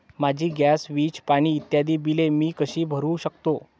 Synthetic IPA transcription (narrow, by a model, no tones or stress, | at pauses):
mad͡ʑʱiːɡjasʋiːt͡ɕpaɽ̃iːt̪jad̪iːbilemiːkəɕiːbʱəɾũːɕəkt̪o